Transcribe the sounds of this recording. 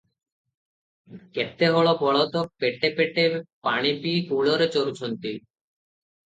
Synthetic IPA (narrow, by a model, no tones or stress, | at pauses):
ket̪ːeɦoɭobɔɭot̪opeʈepeʈepaɽ̃ipikuɭoɾet͡ɕoɾut͡ɕʰont̪i